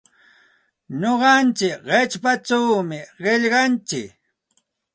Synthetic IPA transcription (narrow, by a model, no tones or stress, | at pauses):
ɲoɢɑnt͡ʃɪkɢet͡ʃpat͡ʃawmɪɢeʎɢɑnt͡ʃɪk